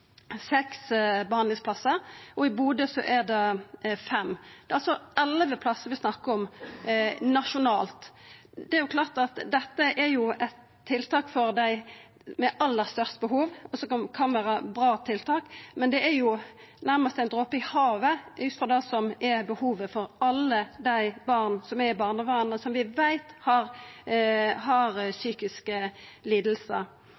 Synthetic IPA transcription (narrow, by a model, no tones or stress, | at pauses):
sɛksbəhɑnd̪lɪŋsplɑsːəɾɔɪbuːd̪əsɔʔæd̪ɛfɛmːd̪̥ɛɑlsɔɛlʋəpʰlɑsːəʋɪsnɑkːəɔm | nɑʂʊnɑːlt̪d̪ɛæɾjʊkʰlɑːʁt̪ɑt̪d̪ɛt̪ːəʔɛɾjʊɛt̪ʰːɪlt̪ʰɑːkfɔɾd̪æɪ | mɛʔɑlːəɾst̪œʁst̪əbəɦuːʋɔsɔkɑnkʰɑnʋæːɾəbɾɑːt̪ʰɪlt̪ʰɑːkmɛnd̪ɛæɾjʊ | næʁməst̪ɛɪnd̪ɾoːpɪhɑːʋəʔʉt̪fɔd̪æɪsɔmɛbəhuːʋəfɔɾɑlːəd̪æɪbɑʁnsɔmɛbɑːʁnəʋɑʁnəsɔmʋɪʋæɪt̪hɑɾ | ɦɑɾsyːkɪskəliːd̪l̩sə̰ɾ